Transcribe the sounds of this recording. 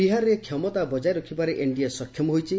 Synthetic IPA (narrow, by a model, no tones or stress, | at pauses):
iɦaɾɔɾekʰjɔmɔt̪abɔd͡ʒajɾɔkʰibaɾeʔeɳɖiasɔkʰjɔmɔɦojt͡ʃʰi